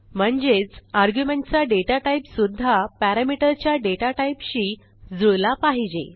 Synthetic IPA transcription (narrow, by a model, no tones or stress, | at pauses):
m̤əɳd͡ʑet͡saɾɡjumẽɳʈt͡saɖeʈaʈaipsud̪ʱːapæɾamiʈəɾt͡ɕjaɖeʈaʈaipɕiː | d͡zulapaɦid͡ʑḛ